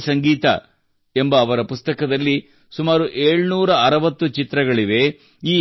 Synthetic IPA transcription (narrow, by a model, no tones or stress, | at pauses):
sɐŋɡiːt̪ɐ̰ | e̞mbɐːʋɐɾɐpust̪ɐkɐd̪ɐlːi | sumaːɾuʔe̞ːɭnuːɾɐɐɾɐʋɐt̪ːut͡ʃit̪ɾɐɡɐɭiʋe̞ | iː